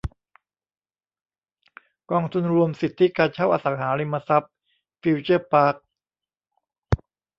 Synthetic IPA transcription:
kɔː˧ŋt̪ʰu˧nɾu˧əmsi˨˩t̪ʰːi˦˥kaː˧nt͡ɕʰa˥˩wʔa̰ː˧sa˩˦ŋɦaː˩˦ɾi˧mːa˧sa˦˥p̚ | fiː˧wt͡ɕɤː˥˩paː˦˥˩k̚

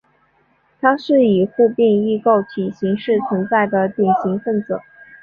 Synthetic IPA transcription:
t̪ʰa˥ʂɻ̩˥˩i˨˩xu˥˧pi˥˧ŋi˥˧ko˥˩ʊt͡ɕʰi˨˩ɕi˧˥ŋʂɻ̩˥˩t͡sʰwə˧˥nt͡sa˥˩ɪd̪ə˩t̪i˨˩ŋɕi˧˥ŋfə˥˩nt͡sɤ˨˩˦

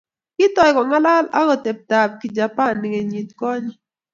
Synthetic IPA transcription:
kɪ˦tɔ˨jkɔ˨ŋa˦la˦la̰˦ɡɔ˨te˨p̚ta˨b̚kɪ˨d͡ʒa˨pa˦nːɪ˨ŋe˨ɲi˨t̪kɔ˦ɲɔ˦

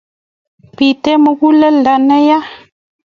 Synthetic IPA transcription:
pi˨tɛ˦mə˨ɣu˦lə˦lda˨nə˦ja˦

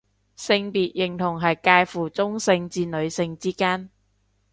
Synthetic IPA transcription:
sɪ˧ŋpiː˨t̚jɪ˨˩ŋt̪ʰʊ˨˩ŋɦɐ˨jkaː˧jfuː˨˩t͡sʊ˥ŋsɪ˧ŋt͡siː˧nɵ˨˧ɥsɪ˧ŋt͡siː˥kaː˥n

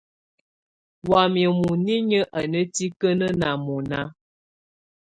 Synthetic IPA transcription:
wa˨m˨ə˨mu˨ni˦ɲə˦ʔa˨nə˦ti˦kə˦nə˦na˨mɔ˨na˦

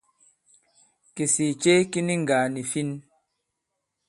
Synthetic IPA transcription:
ki˨si˨t͡ʃe˦ki˦ni˦ŋ˨ɡaː˨ni˨fi˦n

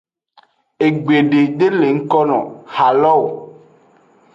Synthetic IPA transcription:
e˨ɡ͡be˨ɖe˨ɖe˦le˨ŋ̩˦kɔ˦nɔ̰̃˨ha˨lɔ˦˨w

